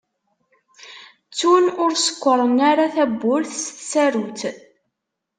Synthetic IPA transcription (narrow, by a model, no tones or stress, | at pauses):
t͡sːunʊɾsə̥kʷːəɾˤənaɾaθæbːʊɾθsθsæɾuθ